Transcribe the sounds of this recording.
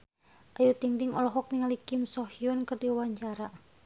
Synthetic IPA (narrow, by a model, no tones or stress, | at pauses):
ʔajut̪iŋt̪iŋɔlɔɦɔk̚niŋalikimsɔhiɔnkɨrdiwaɲt͡ʃaɾa